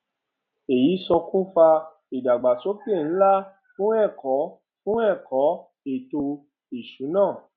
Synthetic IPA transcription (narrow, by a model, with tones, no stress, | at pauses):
e˨ji˨˦sɔ˧kũ˦fa˧ | i˨da˨ɡ͡ba˨so˨˦pe˦˨n̩˨˦la˦ | fũ˦ɛ˦˨kɔ˨˦ | fũ˦ɛ˦˨kɔ˨˦ | e˨to˧ | i˨ʃu˨˦nãː˦˨